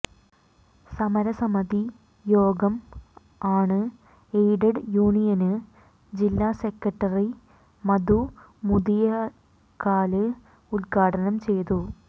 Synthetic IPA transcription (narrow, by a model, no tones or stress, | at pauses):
sɐmɐɾɐsɐmɐd̪i | jo̞ːɡɐm | aːɳɨ | ejɖɐɖjuːɳijɐnɨ | d͡ʑilːaːsekːɐʈːɐri | mɐd̪u | mud̪ijɐ | kaːlɨ | ulɡaːʈʰɐnɐmt͡ɕe̞jt̪u